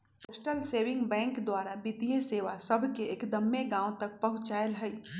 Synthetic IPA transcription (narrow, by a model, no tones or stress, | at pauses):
ɪʃʈəlseːʋɪ̃ŋɡbɛ̃ːŋkd̪waːɾabɪt̪ijeseːʋasɐbʱkeeːkd̪əmːeɡãːõt̪ɐk̚pɐɦʊ̃t͡ʃaːəlɦɛi